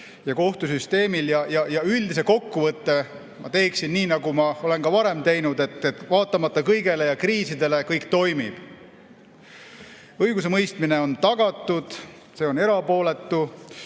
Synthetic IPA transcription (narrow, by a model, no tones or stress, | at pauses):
jɑko̞ht̪us̬yst̪e̞ːmiljɑjɑjɑyld̪ise̞ko̞kːuvɤt̪ːe̞ | mɑt̪e̞ːksinːiːnɑɡumɑo̞le̞nkɑvɑɾe̞mt̪e̞jnud̪e̞t̪ːˑet̪ːˑvɑːt̪ːˑɑmɑt̪ˑːɑkɤjɡe̞le̞jɑkriːsid̪̥e̞le̞kɤjkt̪o̞jmib̥ | ɤjɡus̬e̞mɤjst̪mine̞o̞nt̪ɑɡ̥ɑt̪ːˑud̪̥ | se̞ːone̞ɾɑpo̞ːle̞t̪ːu